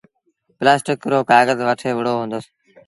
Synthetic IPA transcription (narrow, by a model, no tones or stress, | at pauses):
plaːsʈɪkɾoːkaːɣəzʋəʈʰeːʋɪɽoːɦũːnd̪əs